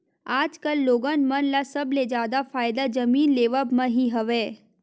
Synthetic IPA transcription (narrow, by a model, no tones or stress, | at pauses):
aːd͡ʒkəlːoːɡənmənlasəbled͡ʒjaːd̪afaːjd̪ad͡ʒəmiːnleːʋəbmãɦiɦəʋe